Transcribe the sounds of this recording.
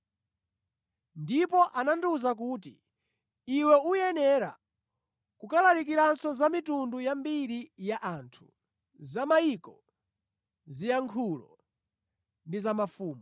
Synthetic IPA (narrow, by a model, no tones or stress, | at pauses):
ndipɔʔananduzak̬uːt̬i | iwɛujɛnɛɾa̰ | kukalaɾik̬iɾansɔzamitundujambiɾijaʔaːntʰu̥ | zamaiːkɔ | zijaŋkʰulɔ̰ | ndizamafuːmɔ